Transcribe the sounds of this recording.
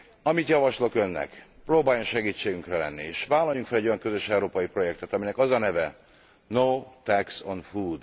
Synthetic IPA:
ɒmit̪jɒvɒʃlo̞kø̞nːɛ̰kproːbaːjoŋʃɛɡiːt͡ʃːeːɡyŋkrɛlɛnːieːʃʋaːlːɒjːuŋkfɛlɛɟo̞jɒŋkø̞zø̞ʃɛuɾoːpɒjipro̞jɛk̚t̪ɛt̪ɒminɛkɒzɒnɛvɛ | noːt̪ɛksonfuːd̪

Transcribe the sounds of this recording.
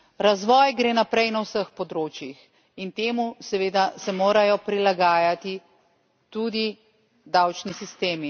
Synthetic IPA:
ɾazʋɔːjɡɾeːnapɾɛjnawsəxpɔd̪ɾoːt͡ʃjix | int̪eːmusɛʋeːd̪asɛmoːɾajɔpɾilaɡaːjat̪i | t̪ud̪i | d̪awt͡ʃnisist̪eːmi

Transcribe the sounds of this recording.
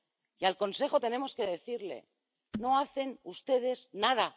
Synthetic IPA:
ialko̞nse̞xo̞t̪e̞ne̞mo̞ske̞ðe̞θiɾle̞̰ | no̞aθe̞nust̪e̞ð̞e̞znað̞a

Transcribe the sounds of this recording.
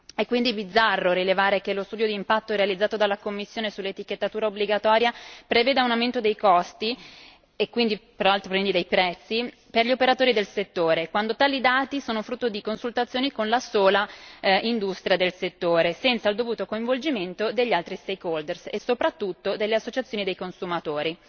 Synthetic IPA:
ɛkːwind̪ibid̪zːarːoɾilevaːɾek̟elost̪uːd̪jod̪iːmpat̪ːoɾealid̪zaːt̪od̪alːakomːisːjoːnesulːet̪iket̪ːat̪uːɾaobliɡat̪ɔːɾjapɾeveːd̪aunawment̪od̪ejkɔst̪i | ekːwind̪ipeɾalt̪ɾopɾvend̪id̪ejpɾɛt̪sːi | perʎiopeɾat̪oːɾid̪elset̪ːoːɾekwand̪ot̪aːlid̪aːt̪isoːnofɾut̪ːod̪ikonsult̪at̪sjoːnikonlasoːlaind̪ust̪ɾʲjad̪elset̪ːoːɾesɛnt̪sald̪ovuːt̪okoĩɱvold͡ʒiment̪od̪eʎːialt̪ɾist̪ekold̪ersesːopɾat̪ːut̪ːod̪elːeasːot͡ʃat̪sjoːnid̪ejkonsumat̪oːɾi

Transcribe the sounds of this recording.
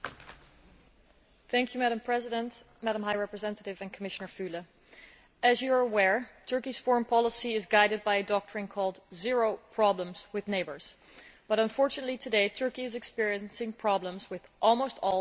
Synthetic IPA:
θæ̃ŋkʰjʉmæɾ̃mpʰɹ̥ɛzɪɾə̃nt | mæɾə̃mɦaɪɹɛpɹɨzɛ̃ntəɾɪvɨ̃nkʰəmɪʃɨnə˞fʉlˠə | ɨzjəə˞əwɛɹtʰɜ˞kiz̥fɔɹə̃npʰɑlˠəsiɪzɡaɪɾɨd̚baɪɨdɔk̚tʰɹ̥ɪ̃nkʰɔlˠdzɪɹoʊpʰɹ̥ɑblə̃mz̥wɨðneɪbə̰˞z̥ | b̥ʌɾə̃ɱfɔɹt͡ʃɨnətˡlitʰɨdeɪtʰɜ˞kiɨzɨkspɪɹiɨ̃nsɪ̃ŋpʰɹ̥ɑblə̃mzwɪðʔɔlˠmoʊstɔlˠ

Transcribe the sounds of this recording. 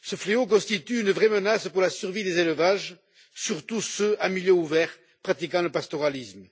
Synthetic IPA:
səfleokɔ̃st̪it̪yːnəvʁemənaspuʁlasyʁvid̪ezeləvaʒ | syʁt̪usøamiljøuvɛʁ | pχat̪ikɑ̃ləpast̪ɔʁalism

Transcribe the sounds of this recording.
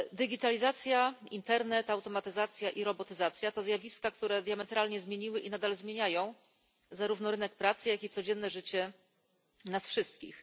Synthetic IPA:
d̪ɘɡʲit̪alʲizat̪sʲjaint̪ɛɾnɛt̪awt̪ɔmat̪ɘzat̪sʲjaʔiɾɔbɔt̪ɘzat̪sʲjat̪ɔzjavʲiskakt̪uɾɛd̪ʲjamɛt̪ɾalɲɛzmʲjeɲiwɘʔinad̪alzmʲjeɲajɔ̃w̃ | zaɾuvn̪ɔɾɘnɛk̚pɾat̪sɘjakʲit̪sɔd͡ʑɛnːɛʐɘt͡ɕɛ | nasfʂɘst̪kʲḭx

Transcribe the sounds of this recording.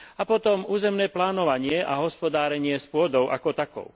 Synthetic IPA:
apɔt̪ɔmuːzɛmnɛːplaːnɔʋaɲɪɛʔaɦɔspɔd̪aːɾɛɲɪɛspʊɔd̪ɔʊʔa̰kɔt̪akɔ̰ʊ

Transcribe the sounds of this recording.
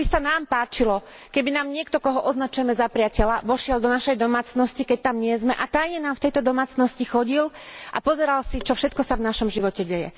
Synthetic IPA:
bisanaːmpaːt͡ʃilɔ | kɛbinaːmɲɪɛkt̪ɔkɔɦɔʔɔznat͡ʃujɛmɛzapɾɪacɛlaʋɔʃɪald̪ɔnaʃɛjd̪ɔmaːt͡snɔscikɛc̚t̪amɲɪɛzmɛʔat̪ajɲɛnaːmft̪ɛjt̪ɔd̪ɔmaːt͡snɔscixɔɟil | ʔa̰pɔzɛɾalsit͡ʃɔfʃɛt̪kɔsavnaʃɔmʒiʋɔcɛɟɛjɛ̰

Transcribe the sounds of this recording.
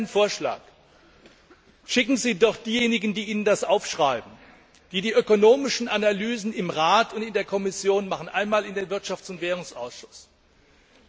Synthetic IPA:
ənfoːɐʃla̰ːk | ʃɪkŋ̩ziːdɔχd̥iːjeːnɪɡn̩diːiːnəndasʔaʊfʃʁ̥aɪbm̩ | d̥iːdiːʔøkonoːmɪʃn̩ʔanalyːzn̩ɪmʁaːtʊntɪndeːɐkʰɔmɪsjoːnmaχən̩ʔaɪnmaːlɪndeːnvɪɐtʃaft͡sʊntv̥ɛːʁ̞ʊŋsʔaʊsʃʊ̥s

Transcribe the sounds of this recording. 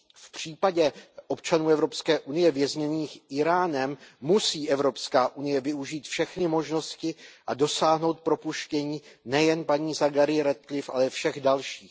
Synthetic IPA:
fpr̝̥iːpaɟɛʔo̞pt͡ʃanuːɛvɾo̞pskɛːʔunɪjɛvjɛzɲɛniːxʔɪɾaːnɛmːusiːʔɛvɾo̞pskaːʔunɪjɛvɪuʒiːt̪fʃɛxnɪmo̞ʒno̞scɪʔado̞saːɦno̞wt̪̚pɾo̞puʃcɛɲiːnɛjɛnpaɲiːzaɡaɾɪɾɛt̪̚klɪfʔa̰lɛfʃɛɣdalʃiːx

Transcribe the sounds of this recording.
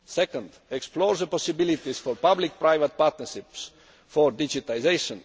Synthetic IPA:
sɛkə̃nd̪eksplɔːɹzəpɔsibilit̪iz̥fɔɾpablik̚pɾaɪvət̪̚paɾt̪nəɾʃips | fɔɾd̪id͡ʒit̪aizejʃɔ̃n

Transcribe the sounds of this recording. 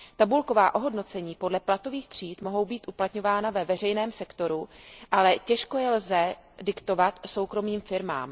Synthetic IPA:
t̪abulko̞vaːʔo̞ɦo̞dno̞t͡sɛɲiːpo̞dlɛplat̪o̞viːxt̪r̝̥iːt̪mo̞ɦo̞wbiːt̪ʔuplat̪ɲo̞vaːnavɛvɛr̝ɛjnɛːmsɛkt̪o̞ɾuʔalɛcɛʃko̞jɛlzɛdɪkt̪o̞vat̪so̞wkɾo̞miːmfɪɾma̰ːm

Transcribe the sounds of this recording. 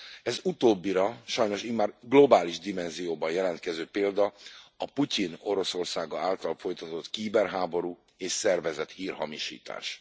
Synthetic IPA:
ɛzut̪oːbːiɾɒʃɒjno̞ʃimaːrɡlo̞baːliʒd̪imɛnzijoːbɒnjɛlɛnt̪kɛzøːpeːld̪ɒɒpucino̞ɾo̞so̞rsaːɡɒaːlt̪ɒlfo̞jt̪ɒt̪o̞t̪kiːbɛrɦaːbo̞ɾuː | eːʃsɛrvɛzɛt̪hiːrhɒ̰miʃḭːt̪a̰ːʃ

